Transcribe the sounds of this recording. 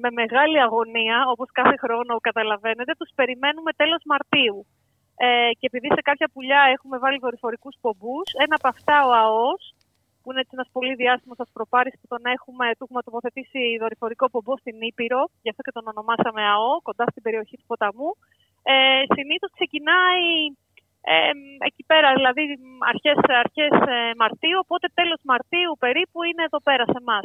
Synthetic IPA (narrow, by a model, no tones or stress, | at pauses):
me̞me̞ɣɐliɐɣo̞niɐo̞po̞skɐθe̞xɾo̞nokɐt̪ɐlɐve̞ne̞t̪et̪uspe̞ɾime̞nume̞t̪e̞lo̞zmɐɾt̪iu | ece̞epiðise̞kɐpçɐpuʎɐe̞xume̞vɐliðo̞ɾifo̞ɾikuspo̞buse̞nɐpɐft̪ɐo̞ɐo̞s | puineet͡ssienɐspo̞liðiɐst̪imosɐspɾo̞pɐɾispot̪o̞nɐe̞xume̞t̪uɣumɐt̪o̞po̞θe̞t̪isiðo̞ɾifo̞ɾiko̞po̞bo̞st̪inipiɾo̞ʝɐft̪o̞ce̞t̪o̞no̞no̞mɐsɐmeɐo̞ko̞nd̪ɐst̪ibe̞ɾio̞çit̪u̥po̞t̪ɐmu | esiniθo̞skse̞cinɐi | ḛḛcipe̞ɾɐðilɐðiɐ̰ɾçe̞sɐɾçe̞semɐɾt̪iuopo̞t̪e̞t̪e̞lo̞zmɐɾt̪iupe̞ɾipuine̞ːðo̞pe̞ɾɐse̞mɐs